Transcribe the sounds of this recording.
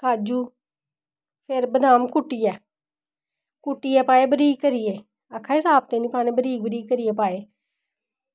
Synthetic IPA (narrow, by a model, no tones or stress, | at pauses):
kaːd͡ʒuː | pʰɪɾbəd̪ʱaːmkʊʈːijɛː | kʊʈːiːɛːpaːeːbəɾiːkəɾijeː | akʰːaːɪsaːp̚t̪eːnĩːpaːɽ̃ẽːbəɾiːk̚bəɾiːkəɾijeːpaːeː